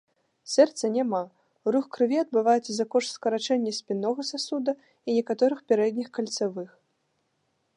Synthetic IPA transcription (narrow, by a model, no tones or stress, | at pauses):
sʲɛrt̪sɐnʲama | ɾuxkɾɨvʲiɐd̪̚bɨvajɛt̪sɐzɐkɔʂt̪skɐɾat͡ʂɛnʲːɐsʲpʲinːɔɣɐsasud̪ɐ | inʲɛkat̪ɔɾɨxpʲɛɾɛd̪ʲnʲixkɐlʲt̪savɨx